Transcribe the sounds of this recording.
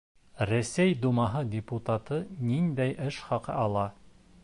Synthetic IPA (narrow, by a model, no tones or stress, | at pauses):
ɾæsæjd̪umɑɦɤdʲɪput̪at̪ɤnind̪æjʔɘʃχɑqɤ̰ʔɑlˠɑ